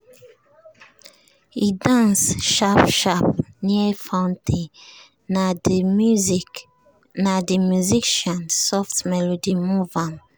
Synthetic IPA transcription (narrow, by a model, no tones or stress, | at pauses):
idãsʃapʃapniefãntʰe | nademyzik | nademyziʃãnsɔftmɛlodimuvãnt